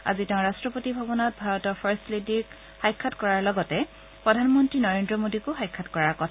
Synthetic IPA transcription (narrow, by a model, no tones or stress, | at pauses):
a̰zitɛʊ̃ɹastɹɔpotibʱabɔnɔt̚bʱaɹɔtɔɹpʰɔɹslediɹk | xajkʰːatkɔɹaɹlɔɡɔtɛ | pɹɔdʱanmɔntɹinɔɹendɹɔmodikʊxajkʰːatkɔɹaɹkɔtʰa